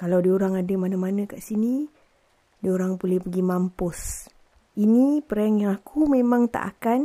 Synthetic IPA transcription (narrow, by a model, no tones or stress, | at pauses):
kalawdioɾaŋadəmanamanə̃kaʔsini | dioɾaŋpulɛhpəɡimampʊs | inipəɾaŋjaŋakʰumemãŋt̪a̰ʔa̰kan